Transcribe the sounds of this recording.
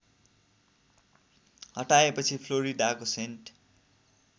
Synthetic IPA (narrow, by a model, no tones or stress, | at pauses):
hʌʈaepʌt͡sʰipʰloɾiɖakosenʈ